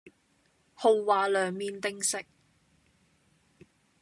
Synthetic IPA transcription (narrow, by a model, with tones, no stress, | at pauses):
ho˨˧wːaː˨˧lœː˨˧ŋmiː˨˧nt̪ɪ˧ŋsɪ˨k̚